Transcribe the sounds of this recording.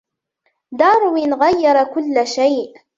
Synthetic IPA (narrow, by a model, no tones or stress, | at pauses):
d̪ɑːɾˤʊwɪnɣajːɑɾˤɑkʊlːʃajʔ